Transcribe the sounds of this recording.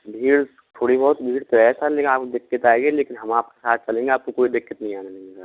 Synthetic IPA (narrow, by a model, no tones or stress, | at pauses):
bʱiːɽ | t̪ʰoːɽibɔɦʊt̪bʱiːʈt̪oɛːsaleːkɪnaːp̚kod̪ɪkːɪt̪aːeɡeleːkɪnɦɐmaːp̚ke̥saːt̪̚ʰt͡ʃɐlẽːŋɡeaːp̚kokoːid̪ɪkːɪt̪nəɦĩaːnenəesaɾ